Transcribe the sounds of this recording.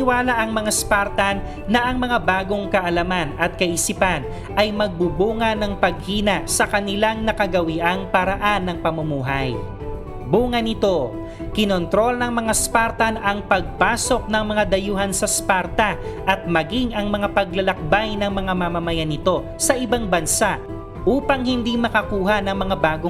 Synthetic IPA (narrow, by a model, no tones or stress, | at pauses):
ɪwaːlaʔɐŋmɐŋaspaɾt̪ɐnː | ɐʔɐŋmɐŋabaːɡo̞ŋkɐʔɐlɐmanɐt̪̚kɐʔisipan | ʔɐjmɐɡ̚bubuːŋɐnɐŋpɐɡ̚hiːnɐsɐkɐnɪlaŋnɐkɐɡɐwiʔɐŋpɐɾɐʔanːɐŋpɐmɐmuːɦɐj | buːŋɐnɪt̪o̞ | kɪnont̪ɾo̞lnɐŋmɐŋaspaɾt̪ɐnɐŋpɐɡ̚paːso̞k̚nɐŋmɐŋad̪ɐjuːɦɐnsɐspaɾt̪ɐʔɐt̪̚mɐɡiŋɐŋmɐŋapɐɡlɐlɐk̚bajnɐŋmɐŋamamɐmɐjanɪt̪o̞ | sɐʔɪbaŋbɐnsaʔ | ʔuːpɐŋhɪnd̪imɐkɐkuːɦɐnɐŋmɐŋabaːɡo